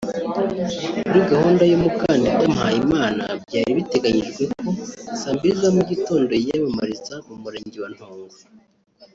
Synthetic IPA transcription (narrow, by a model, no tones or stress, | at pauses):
kuɾiɡahuːndajomukaːndidamhajimaːna̰bɟaːɾiβite̞ɡaɲiʒɡwe̞ko̞saːmbiɾizamuɟito̞ːndo̞jamamaɾizaumuɾeːɲɟiwan̥hoːŋɡo